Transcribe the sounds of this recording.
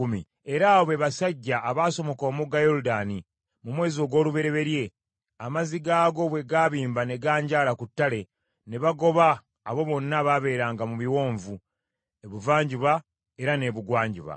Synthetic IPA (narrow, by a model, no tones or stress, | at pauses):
umi | e̞ɾaːoβe̞βasaɟːaːβaːso̞mo̞ko̞ːmuɡajo̞ɾudaːni | mumwe̞ːzio̞ːɡwo̞ːluβe̞ɾe̞βe̞ɾje̞ | amaziɡaːɡo̞βwe̞ɡaːβiːmbane̞ɡaːɲɟaːlakutːale̞ | ne̞βaɡo̞βaː | βo̞βo̞nːaβaβe̞ːɾaːŋɡamuβiwo̞ːɱvu | e̞βuvaːɲɟuβa | e̞ɾane̞βuɡwaːɲɟuβa̰